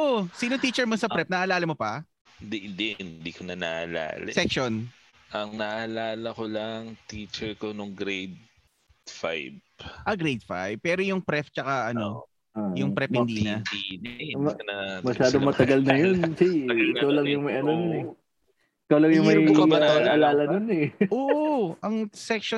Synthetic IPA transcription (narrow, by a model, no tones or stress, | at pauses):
ʔosiːnot̪iːt͡ʃɛɹmosɐpɾɛp̚nɐʔɐːlaːlɐmopɐ | d̪id̪ɪnnd̪iːkonɐnaʔɐ̰la̰ːl̰sɛkʃon | ʔɐŋnɐʔalaːlɐkolɐŋt̪iːt͡ʃɛɹkonʊŋɡɾejd̪̚ | fa̰jbʔɐɡɾejd̪̚fa̰jb̚pɛːɾojʊŋpɾɛft͡ʃɐkaʔɐno̞ | ajʊŋpɾɛphɪnd̪iːnɐi | ɐmɐʃaːd̪omɐt̪ɐɡɐlnɐjonsiɡɪkawlɐŋjʊŋmɐjʔɐnomʊnɛ | ɪkɐwlɐŋjʊŋmɐɐkabɐaalaːlɐnonɛʔoːʔoʔɐŋsɛk̚ʃo